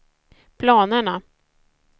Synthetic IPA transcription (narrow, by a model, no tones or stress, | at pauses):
pʰlɑːnəɳa